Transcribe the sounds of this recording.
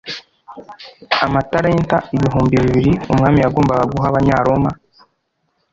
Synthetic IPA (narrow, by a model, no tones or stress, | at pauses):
amataɾeːntaiβiɦuːmbiβiβiɾiumŋaːmijaɡoːmbaɡaɡuɦaβaɲaɾo̞ma